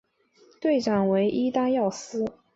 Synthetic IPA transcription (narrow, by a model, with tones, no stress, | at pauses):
t̪we˥˩ɪʈ͡ʂɑ˨˩ŋwe˧˥ɪʔi˥t̪a˥njɑ˥˩ʊsɹ̩˥